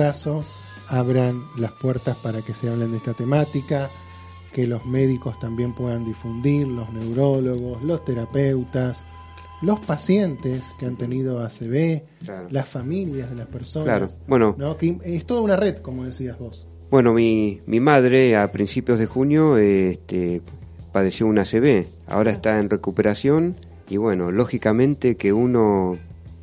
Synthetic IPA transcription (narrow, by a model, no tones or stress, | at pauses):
aso̞ | aβ̞ɾanlaspweɾt̪aspaɾakeseaβlend̪est̪at̪e̞mat̪ika | kelo̞zmeðiko̞st̪ambje̞mpwe̞ðand̪ifund̪iɾlo̞zne̞wɾoloɣo̞slo̞st̪eɾapewt̪as | lo̞spasje̞nt̪eskeant̪e̞niðo̞aseβe | laɾolasfamiljazðelaspeɾsolaɾosbwe̞nonokest̪oðaunareðkomoð̞esiazβo̞s | bwe̞no̞mimimaðɾeapɾinsipjo̞zðexunjo̞est̪e | pað̞e̞sjo̞unaseβe | a̰oɾaest̪aenrekupeɾasjon | iβwe̞no̞loxikamẽ̞nt̪ekeuno̞